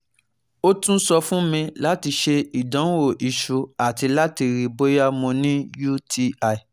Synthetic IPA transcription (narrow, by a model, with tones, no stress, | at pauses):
o˦tũ˦sɔ˧fũ˦mĩ˧la˦ti˧ʃe˧i˨dã˨˦wo˦˨ʔi˨ʃu˨a˨ti˧la˦ti˧ɾi˨bo˦ja˦mɔ̃˧nĩ˦ju˦tʰi˧a˨i˨